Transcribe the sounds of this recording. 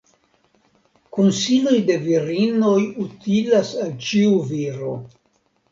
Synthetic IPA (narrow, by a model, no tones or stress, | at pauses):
konsilojde̞viɾinojut̪ilasalt͡ʃiuviɾo̰